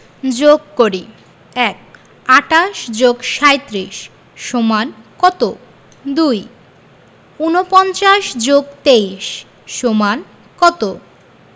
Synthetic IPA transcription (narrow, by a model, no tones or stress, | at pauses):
d͡ʑoɡkoɾi | ɛk̚ | aʈaʃd͡ʑoɡʃaet̪ɾiʃ | ʃomankɔt̪o | d̪uj | unopɔnt͡ɕaʃd͡ʑoɡt̪eiʃ | ʃoman | kɔt̪o